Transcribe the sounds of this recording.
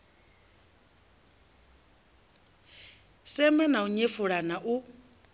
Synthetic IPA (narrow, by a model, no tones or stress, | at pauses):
sɛmɛnauɲefuɺanaʔu